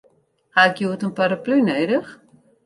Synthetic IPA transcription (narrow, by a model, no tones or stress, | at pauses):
haɪkjuətənpaɾaplynejdəx